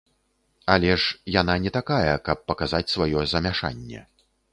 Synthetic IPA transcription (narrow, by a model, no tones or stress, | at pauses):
alʲɛʂjananʲɛt̪akajɐkɐp̚ːɐkazat͡sʲsvajɔzɐmʲaʂa̰nʲːɛ̰